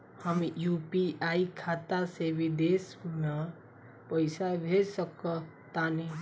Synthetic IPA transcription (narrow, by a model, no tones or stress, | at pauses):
həmjupiʔaikʰat̪asebʱid̪esme | pəɪsabʱed͡ʒsəkə | t̪ani